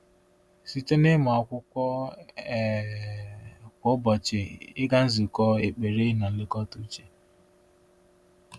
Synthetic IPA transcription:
si˨te˦nɪ˦ma˨a˨kʷʊ˦kʷɔ˦˨ | kʷʊ˨˦bɔ˨t͡ʃɪ˨ɪ˦ɡa˦n̩˦zi˨kɔ˦e˨k͡pe˨ɾe˦na˨lɪ˦kɔ˦tu˦t͡ʃe˨

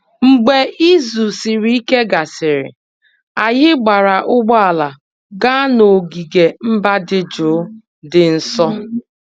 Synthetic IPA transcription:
ŋ͡m̩˨ɡ͡be˨ʔi˦zu˨sɪ˨ɾi˦i˦ke˦ɡa˨sɪ˨ɾɪ̰˨ | a˨ɦɪ˦ɡ͡ba˨ɾa˨ʔʊ˦ɡ͡bɔ˦a˨la˨ | ɡa˦no˨ɡi˨ɡe˨m̩˦ba˦dɪ˦d͡ʒʊː˨˦ | dɪ˨n̩˦sɔ˦

